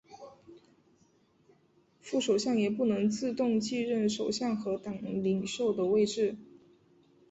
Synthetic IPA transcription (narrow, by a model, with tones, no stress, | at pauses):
fu˥˩ʂo˨˩ʊɕjɑ˥˩ŋjɛ˨˩pu˥˩nɤ˧˥ŋt͡sɹ̩˥˧t̪ʊ˥˧ŋt͡ɕi˥˧ɻə˥˩nʂo˨˩ʊɕjɑ˥˩ŋxɤ˧˥t̪ɑ˨˩ŋli˨˩ŋʂo˥˩ʊd̪ə˩we˥˧ɪʈ͡ʂɻ̩˥˩